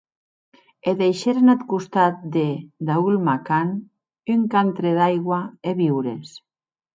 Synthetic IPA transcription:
eðejʃeɾanat̪kust̪at̪̚d̪ed̪aulmakan | yŋkant̪ɾeðajɣwaeβiwɾes

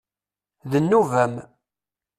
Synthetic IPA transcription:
ðənːuvæm

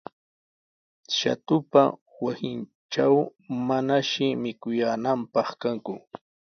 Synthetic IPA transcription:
ʃa̰t̪ʊpa̰ | wasɪn | ʈ͡ʂawmanaʃɪmɪkʊjaːnampɑχkaŋkʊ

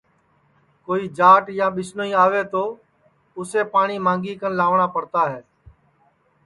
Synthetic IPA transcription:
koːiːd͡ʒaːʈjãːɓɪsnoĩːaːʋeːt̪oː | ʊseːpaːɳiːmãːŋɡiːkənlaːʋɳaːpəɾt̪aːɦɛː

